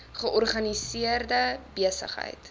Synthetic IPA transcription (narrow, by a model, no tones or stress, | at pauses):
χəʔɔrχɐnisiərdəbiəsə̰χɦə̰jt